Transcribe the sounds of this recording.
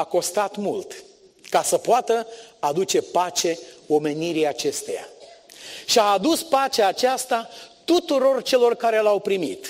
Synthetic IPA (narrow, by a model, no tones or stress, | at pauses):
ako̞st̪at̪mult̪ | kasəpoat̪əad̪ut͡ʃe̞pat͡ʃe̞o̞me̞niɾiat͡ʃe̞st̪e̞ja̰ | ʃiaːd̪uspat͡ʃeaːt͡ʃast̪at̪ut̪uɾo̞rt͡ʃe̞lo̞rkaɾe̞lawpɾimit̪